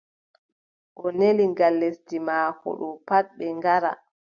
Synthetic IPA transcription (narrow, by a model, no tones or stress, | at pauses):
ʔɔneliŋɡalːestimaːhɔ̰ɗɔpat̚ɓɛŋɡaɾa̰